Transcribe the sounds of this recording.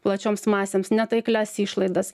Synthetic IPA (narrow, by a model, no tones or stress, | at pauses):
plˠɐt͡ʃʲoːmsmɑːsʲeːmsnʲɛt̪ɐɪklʲæsiːʃlˠɐɪd̪ɐs